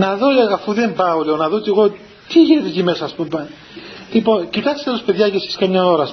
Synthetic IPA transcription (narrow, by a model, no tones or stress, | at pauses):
nɐðo̞ɐfuðe̞mbɐoleonɐðo̞t̪iɣot̪i | t̪iʝine̞t̪et̪ime̞sɐːspumbɐn | lipo̞ncit̪ɐkse̥t̪elospe̞ðʝɐcesi̥skɐmɲɐo̞ɾɐs